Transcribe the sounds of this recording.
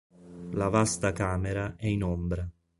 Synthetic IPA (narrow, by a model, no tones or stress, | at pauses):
lavast̪akaːmɛɾaɛinɔmbɾa